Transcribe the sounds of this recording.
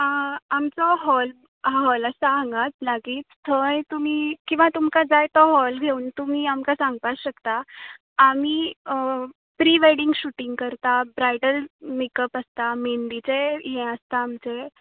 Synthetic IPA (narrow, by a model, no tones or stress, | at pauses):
əamt͡sɔɦɔl | ɦaɦɔləsaə̃ŋɡat͡slaɡiːt͡st̪ʰəjt̪um̤iːkĩw̃ʋat̪umkad͡zajt̪ɔɦɔlɡʱeuːnt̪um̤iːamkasãŋɡpaɕəkt̪aː | miː | pɾiʋeɽiŋɡɕuʈiŋɡkəɾt̪abɾajɖəlmikəpəst̪amend̪it͡seɦɛ̃əst̪aːmt͡se